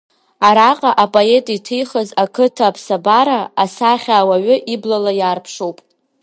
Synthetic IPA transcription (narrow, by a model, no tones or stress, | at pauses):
aɾaqʼaʔapʼo̞e̞tʼitʰɨjχazakʰɨtʰaːpʰsabaɾaasaχʲaːwaɥʊʔiblalajaːrpʰʂowpʼ